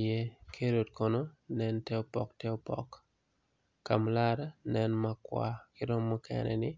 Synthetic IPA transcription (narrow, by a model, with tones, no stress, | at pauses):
je˦kʰe˦ɾo˨tko˨no˦nɛ˦ntɛ˦o˦pɔ̰˨ktɛ˦o˦pɔ̰˨kː | a˨mla˦ɾa˦nɛ˦nma˦kwa̰kɪ˦ɾɔ˦mːɔ˦kɛ̰nɛ̰˨nɪ˦